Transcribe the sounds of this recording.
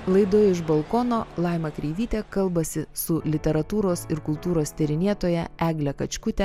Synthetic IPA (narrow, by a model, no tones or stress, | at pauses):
lˠɐɪd̪oːjɪʒbɐlˠkoːnoːlˠɐɪmɐkɾʲɛɪʋʲiːt̪ʲɛkɐlˠbɐsʲɪsʊlʲɪt̪ʲɛɾɐt̪uːɾoːsɪɾkʊlˠt̪uːɾoːst̪ʲɛɾʲɪnʲiɛt̪oːjɛʔæːɡlʲɛkɐt͡ʃʲkʊt̪ʲɛ